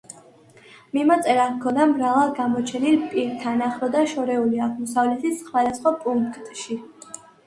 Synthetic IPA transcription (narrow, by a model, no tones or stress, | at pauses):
mimat̪sʼɛɾakʰɔnamɾavalˠɡamɔt͡ʃʰɛnilpʼiɾt̪ʰanaχɾɔd̪aʃɔɾɛuliaʁmɔsavlɛt̪ʰisχmad̪asχwapʼuŋkkt̪ʼʃi